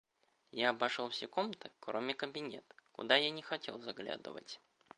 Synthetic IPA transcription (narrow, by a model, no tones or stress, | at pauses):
jaɐbɐʂolˠfsʲɪkomt̪əkɾomʲɪkəbʲɪnʲet̪kʊ̰d̪ajanʲɪxɐtʲe̞̰lˠzaɡlʲa̰d̪ɨ̰və̰tʲ